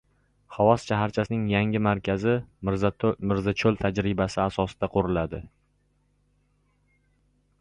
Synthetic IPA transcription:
χavɒsʃaɦaɾt͡ʃʰasɪnɪŋjaŋɪmaɾkʲʰazɪ | mɪɾzat͡ʃʰolt̪ʰad͡ʒɾɪbasɪasɒsɪd̪̥aqʰoɾɪlad̪ɪ

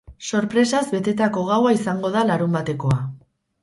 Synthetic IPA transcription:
so̞ɾpɾe̞sazbe̞t̪e̞t̪ako̞ɣ̞awaisaŋɡo̞ð̞alaɾumbat̪e̞ko̞a

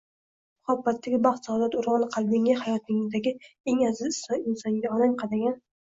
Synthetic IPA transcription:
mʊhabːat̪ʰːaɡʲɪbɑχt̪sɒd̪at̪ʊɾʁɑnqʰɑlˠbɪŋahajɒt̪ɪŋɪzd̪aɡʲɪeŋazɪzɪsɒɪnsɒnɡʲaɒlamqʰɑd̪aɡʲan

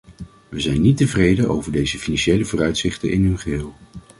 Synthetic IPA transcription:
ʋəzɛjnːitəvrejdənʔo̰wvəɹdejzəfinanʃejləvʊːrœɥtsɪχtə̰nʔɪ̰nɦɵnχəɦɪːlˠ

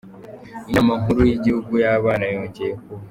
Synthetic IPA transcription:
inamaɦuɾujiɟihuɡujaβaːnajoːɲceko

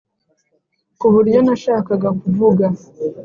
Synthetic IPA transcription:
kuhuɾijonaʃaːkaɡakuvuɡa

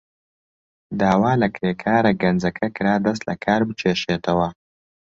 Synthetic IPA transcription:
d̪aːwaːlɐkɾeːkʰaːɾɐɡɐnd͡zɐkʰɐkɨɾaːd̪ɐs̬t̪lɐ̰kʰaːɾbɨt͡ʃʰeːʃeːt̪ʰɐwɐ

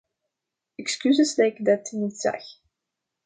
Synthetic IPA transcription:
ɛkskyzəsdɛɪkdɛtnitsɛ̰x

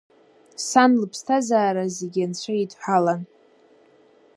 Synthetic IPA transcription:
sanlɨpʰstʰazaːɾazeɡʲant͡ɕʷʰaitʰʼħʷalan

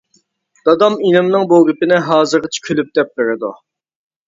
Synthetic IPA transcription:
d̪̥ɑd̪ɑminɪmnɨŋboɡʲipɪnɪɦɑːzɨɾʁɑt͡ʃʰi̥kʲʰylyp̚d̪ɛp̚beɾɪd̪ṵ

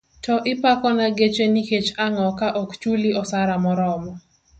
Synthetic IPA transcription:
tɔʔɪpakɔnaɡet͡ʃeniket͡ʃaŋɔkaʔɔkt͡ʃuliɔsaɾamɔɾɔmɔ

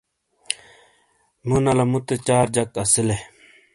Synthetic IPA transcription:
munɐlɐmut̪et͡ɕaːɾd͡ʑɐkɐsile

